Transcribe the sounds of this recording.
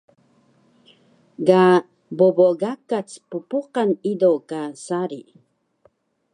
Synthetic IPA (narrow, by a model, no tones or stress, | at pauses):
ɡa | boboɡakat͡spupuqanidokasaɾi